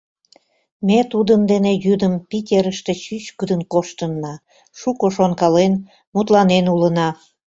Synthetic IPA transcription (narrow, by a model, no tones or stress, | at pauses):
met̪ud̪əmd̪enejyd̪əmpitʲeɾəʃt̪et͡ɕyt͡ɕkəd̪ənkoʃt̪ənːɑ | ʃukoʃonkɑlen | mut̪lɑnenulənɑ